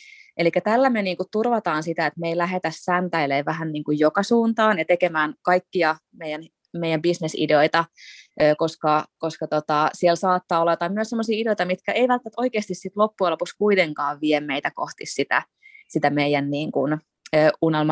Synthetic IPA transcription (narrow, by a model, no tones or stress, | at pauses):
ʔelikːæt̪ælːæmeniːŋkut̪t̪urʋɑt̪ɑːnsit̪æet̪meilæɦet̪æssænt̪æileːʋæɦænniːŋkujjokɑsuːnt̪ɑːnjɑt̪ekemæːnkɑikːiɑ | mejæn | meijæmbisnesḭdeoit̪ɑʔøːkoskɑkoskɑt̪ot̪ɑsielsɑːt̪ːɑːolːɑjot̪ɑmmyøsemːosiːideojt̪ɑmit̪kæʔeiʋælt̪ːæt̪o̞ikeːst̪issit̪lopːuɑlopuskuit̪eŋkɑːʋʋiemmeit̪ækoht̪issit̪æ̰ | sit̪æmeijænniːŋkun | øːunelmɑ